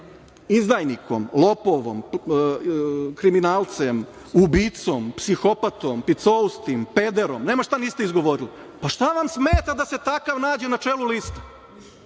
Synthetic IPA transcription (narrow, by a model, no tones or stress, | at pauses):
izd̪ajniko̰mlˠo̞poʋo̰m | kɾiminaːlˠt̪sem | ubit̪sompsixo̞pat̪ompit̪soust̪impe̞d̪eɾomneːmaʃt̪aniːst̪eizɡo̞ʋo̞ɾili | paʃt̪aʋamsmeːt̪ad̪ase̞t̪akaʋnaːd͡ʑenat͡ʃeːlulist̪ḁ